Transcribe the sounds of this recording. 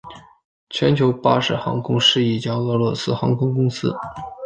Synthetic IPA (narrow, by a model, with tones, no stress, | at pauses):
t͡ɕʰɥɛ˧˥nt͡ɕʰjo˧˥ʊpa˥ʂɻ̩˥˩xɑ̰˧˥ŋkʰʊ˥ŋʂɻ̩˥˧i˥˩t͡ɕjɑ˥ŋɤ˥˧lwɔ˥˩sɹ̩˥xɑ˧˥ŋkʰʊ˥ŋkʊ˥ŋsɹ̩˥